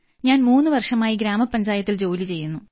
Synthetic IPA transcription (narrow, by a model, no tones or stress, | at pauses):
ɲaːnmuːnːɨʋɐrʂɐmaːjiɡɾaːmɐpːɐɲd͡ʑaːjɐt̪ːild͡ʑo̞ːlit͡ɕe̞jːunːu